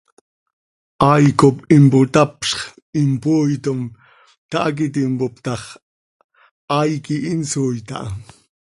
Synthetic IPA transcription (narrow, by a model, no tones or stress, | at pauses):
ʔajkopɪmpʊt̪apʃχ | ɪmpʊjt̪ʊm | t̪aʔak̬ɪt̪̬ɪmpʊpt̪ɑχ | ajkɪʔɪnsʊjt̪a̰ʔ